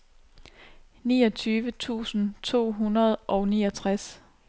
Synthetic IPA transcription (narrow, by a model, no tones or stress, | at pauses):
nḭːɒ̽t͡sʰyːʋət͡sʰṵːsn̩t͡sʰo̝̰ːɦunɐð̞ˠʔɒ̽ʊniːɒt͡sʰʁas